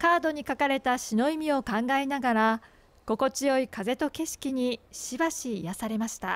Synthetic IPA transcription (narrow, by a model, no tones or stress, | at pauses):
kaːd̪o̞ɲ̟ikakaɾe̞t̪aɕino̞imʲio̞kãŋɡaenaɡaɾa | ɡ̥o̞ko̞t͡ɕijo̞ikaze̞t̪o̞ke̞ɕi̥kʲiɲ̟iɕibaɕijasaɾe̞maɕi̥t̪a̰